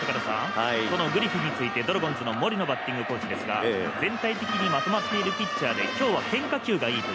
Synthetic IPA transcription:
akaɾasã̰ŋso̞no̞ɡɯ̟ɾʲiɸiɲ̟it͡sɨit̪e̞d̪oɾo̞ɡõ̞nd͡zɨno̞mo̞ɾʲino̞bat̪ʲːĩŋɡɯ̟ko̞ːɕid̪esɨɡa̰d͡zẽ̞nt̪ait̪e̞kʲiɲ̟imat̪o̞mat̪ːe̞iɾɯ̟pʲit͡ɕːaːd̪e̞kʲo̞ːβakẽ̞ŋkakʲɨːɡaiːt̪o

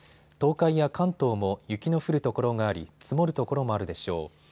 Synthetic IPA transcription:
t̪o̞ːkaijakãnt̪o̞ːmo̞jɯ̟kʲino̞ɸɯ̟ɾɯ̟t̪o̞ko̞ɾo̞ŋɡaːɾʲḭt͡sɨmo̞ɾɯ̟t̪o̞ko̞ɾo̞moaɾɯ̟d̪e̞ɕo̞̰ː

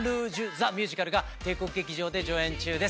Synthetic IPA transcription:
ɾɯʑɨzamʲjɨːʑikaɾɯ̟ɡat̪e̞ːko̞kɯ̟ɡe̞kʲiʑo̞ːd̪e̞d͡ʑo̞ːẽ̞ɲt͡ɕɨːd̪es

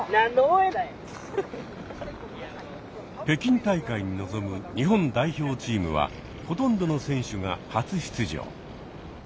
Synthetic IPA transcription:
nanːoena | pe̞kʲĩnt̪aikaiɲ̟ino̞zo̞mɯ̟ɲ̟iɦõ̞nd̪aiço̞ːt͡ɕiːmɯ̰βa̰ | ho̞t̪õ̞nd̪o̞no̞sẽ̞ɰ̃ɕɨŋa̰hat͡sɨɕi̥t͡sɨʑo̰ː

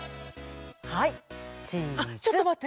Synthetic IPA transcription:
hait͡ɕiat͡ɕot̪ːomat̪ː

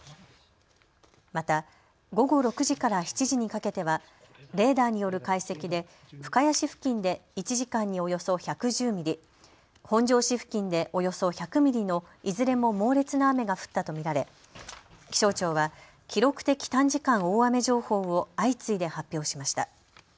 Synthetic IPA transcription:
mat̪a | ɡo̞ɡo̞ɾo̞kɯ̟ʑikaɾaçi̥t͡ɕiʑiɲ̟ikake̞t̪e̞βa | ɾe̞ːd̪aːɲ̟ijo̞ɾɯ̟kaise̞kʲid̪e̞ | ɸɯ̟̥kajaɕiɸɯ̟̥kʲĩnd̪e̞it͡ɕiʑikãɲ̟ːio̞jo̞so̞çakɯ̟ʑɨːmʲiɾʲi | hõ̞ɲd͡ʑo̞ːɕiɸɯ̟̥kʲĩnd̪e̞ʔo̞jo̞so̞çakɯ̟mʲiɾʲino̞ | izɨɾe̞mo̞mo̞ːɾe̞t͡sɨnaːme̞ɡaɸɯ̟̥t̪ːat̪o̞mʲiɾaɾe̞ | kʲi̥ɕo̞ːt͡ɕo̞ːβa | kʲiɾo̞kɯ̟̥t̪e̞kʲi̥t̪ãɲ̟d͡ʑikãɰ̃oːame̞ʑo̞ːho̞ːo̞ait͡sɨid̪e̞hapʲːjo̞ːɕimaɕi̥t̪a̰

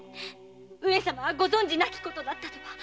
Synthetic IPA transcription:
ɯ̟ɾesamaβaɡo̞zõ̞ɲ̟d͡ʑinakʲi̥ko̞t̪o̞d̪at̪ːat̪o̞kḁ

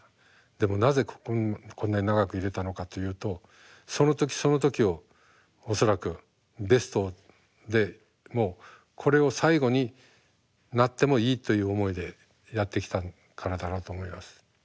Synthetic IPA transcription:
d̪e̞mo̞naze̞kkʰonːaɲinaɡakɯ̟iɾe̞t̪ano̞kat̪o̞jɯ̟ːt̪o̞ | so̞no̞t̪o̞kʲi̥so̞no̞t̪o̞kʲio̞ | oso̞ɾakɯ̟ | be̞sɨ̥t̪o̞ | d̪e̞ | mo̞ː | kʰo̞ɾe̞o̞saiɡo̞ɲ̟i | nat̪ːe̞mo̞iːt̪o̞jɯ̟ːomo̞id̪e̞ | jat̪ːe̞kʲi̥t̪a | kʰaɾad̪aɾo̞ːt̪o̞ːmo̞imasɨ̥

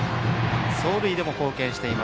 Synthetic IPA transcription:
so̞ːɾɯ̟id̪e̞mo̞ko̞ːkẽ̞ɕi̥t̪e̞ima

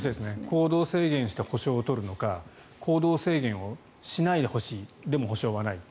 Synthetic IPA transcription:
ɕid̪e̞sɨneko̞ːd̪o̞ːse̞ːɡẽɰ̃ɕi̥t̪eho̞ɕo̞ːt̪o̞ɾɯ̟no̞ka | kʰo̞ːd̪o̞ːse̞ːɡẽ̞ɰ̃o̞ | ɕinaid̪e̞ho̞ɕiːd̪e̞moɦo̞ɕo̞ːβanai

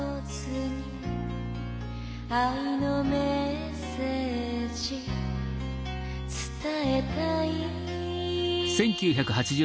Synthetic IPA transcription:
o | t͡s | ɨɲi | ainome | seʑi | t͡sɨ̥t̪ae̞t̪ai | sẽ̞ŋkʲɨːçakɯ̟hat͡ɕiʑɨ

